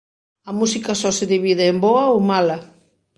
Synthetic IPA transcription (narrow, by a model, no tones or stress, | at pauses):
ɐmusikɐsɔseðiβiðɪːmboɐomalɐ